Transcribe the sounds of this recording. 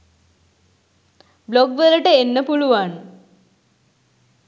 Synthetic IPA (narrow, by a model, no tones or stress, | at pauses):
bloɡʋələʈəenːəpuluʋan